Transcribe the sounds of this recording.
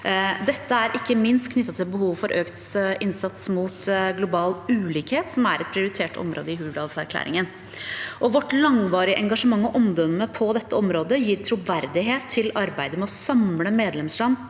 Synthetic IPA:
d̪ɛt̪ːəæɾʔɪkːəmɪnst̪kʰnʏt̪ːɑt̪ʰɪlbəhuːʋfɔɾʔøːkt̪sɪnsɑt̪smuːt̪ɡlʊbɑːlʉːliːkheːt̪sɔmæɾɛt̪̚pʰɾɪʊɾɪt̪ʰeːʈʰɔ̰mɾʔo̰ːd̪əɪhʉːɖɑːlsæɾkʰlæ̰ːɾɪ̰ŋən | ʔɔʋɔʈːlɑŋʋɑːɾɪəʔɛŋɡɑʂəmɑŋːɔʔɔmd̪ɔmːəpʰɔd̪ɛt̪ːəɔmɾoːd̪əjiːɾt̪ʰɾuːʋæɾd̪ɪɦeːt̪ʰːɪlɑɾbæɪd̪əmɛɔsɑmləmeːd̪lɛmslɑn

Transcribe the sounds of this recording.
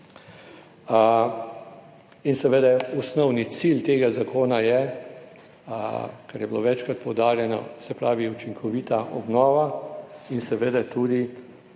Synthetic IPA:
insɛʋeːd̪ɛɔsnɔwnit̪silt̪eːɡazakoːnajɛ | kɛɾjɛbilo̰ːʋɛt͡ʃkɾat̪̚pɔwd̪aːɾjɛnɔ̰sɛpɾaːʋiut͡ʃiŋkʰɔʋiːt̪aʔɔ̰bnɔːʋainsɛʋeːd̪ɛt̪uːd̪i

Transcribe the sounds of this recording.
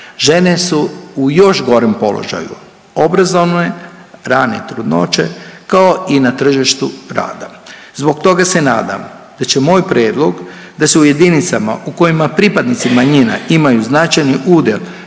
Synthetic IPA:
ʒe̞ne̞suujo̞ʃɡo̞ɾempo̞̰lo̰ʒa̰jṵ | obɾazo̞ʋneɾaːnet̪ɾud̪no̞̰t͡ʃe̞̰kao̞inat̪r̩ʒiʃt̪uɾa̰ːd̪azbo̞k̚t̪o̞ɡase̞na̰ːd̪a̰m | d̪̥at͡ɕe̞mo̞ːjpɾe̞ːd̪lˠo̞ɡ | d̪aseuje̞d̪init̪sama̰ʔuko̞jimapɾipad̪nit̪simaɲina̰imajuznat͡ʃajniʔuːd̪jel

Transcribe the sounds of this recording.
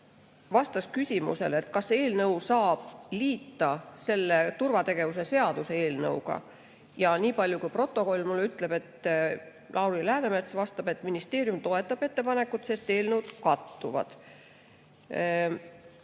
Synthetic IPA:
vɑst̪ɑskysʲimṵse̞̰le̞t̪kɑse̞ːlnɤwsɑːb̥liːt̪ːɑse̞lːe̞t̪urvɑt̪e̞ɡ̥e̞vus̬e̞se̞ɑd̪̥use̞e̞ːlnɤ̰wɡ̥ɑ̰ | jɑniːpɑlʲjukujpro̞t̪ːˑo̞ko̞lʲːmulːyt̪ːˑle̞b̥e̞t̪ː | lʔɑwɾilæhænemet̪svɑst̪ɑb̥e̞t̪ːˑminist̪e̞ːɾjumt̪o̞e̞t̪ˑːɑb̥e̞t̪ːe̞pɑne̞kːˑut̪se̞st̪e̞ːlnəwd̪̥kɑt̪ːuvɑ̰d̪̥

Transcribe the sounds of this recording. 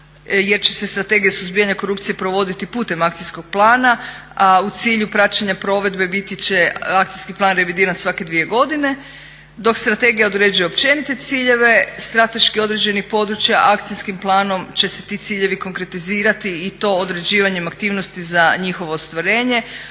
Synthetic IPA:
je̞ɾt͡ɕese̞st̪ɾat̪e̞ɡijasuzbijaɲako̞ɾupt̪sije̞pɾo̞ʋo̞d̪it̪ipuːt̪e̞makt̪sisko̞ɡ̚plˠaːnaaut̪siːʎupɾat͡ʃaɲapɾo̞ʋe̞d̪be̞bit̪it͡ɕe̞akt̪sijskiplˠaːnɾe̞ʋid̪iːɾansʋake̞d̪ʋije̞ɡo̞d̪ine̞ | d̪o̞kst̪ɾat̪e̞ɡijaod̪ɾe̞d͡ʒuje̞opt͡ɕe̞nit̪e̞t̪siːʎe̞ʋe̞st̪ɾat̪e̞ʃkio̞d̪ɾe̞d͡ʑe̞nixpo̞d̪ɾut͡ɕjaʔak̚t̪siskimplˠaːno̞mt͡ɕe̞se̞̥t̪it̪siːʎe̞ʋiko̞ŋkɾe̞t̪iziːɾat̪iːt̪o̞ːd̪ɾe̞d͡ʑiːʋaɲemakt̪iːʋno̞st̪izaɲixo̞ʋo̞ːst̪ʋaɾe̞ːɲe̞

